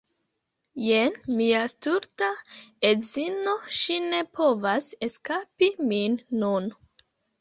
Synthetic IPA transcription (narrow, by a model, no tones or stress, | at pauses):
jenmiastuɾtaezino̞ʃine̞pʰo̞vase̞skapiminːun